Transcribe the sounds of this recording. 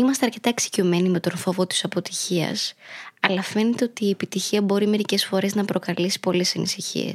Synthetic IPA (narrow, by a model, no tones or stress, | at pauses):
imɐst̪e̞ɐɾce̞t̪ɐeksi̥ciome̞nime̞t̪o̞nfo̞vot̪i̥sɐpo̞t̪i̥çiɐ̰sɐlɐfe̞ne̞t̪e̞o̞t̪iːe̞pit̪içiɐbo̞ɾime̞ɾice̞sfo̞ɾe̞znɐpɾo̞kɐlisi̥po̞le̞sɐnḭsiçḭḛs